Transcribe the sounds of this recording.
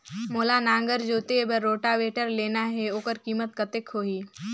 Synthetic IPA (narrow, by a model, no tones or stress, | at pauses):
moːlanãːŋɡəɾd͡ʒoːt̪ebəɾːoːʈaʋeːʈəɾleːnaɦɛoːkəɾkiːmət̪̚kət̪ekɦoːiː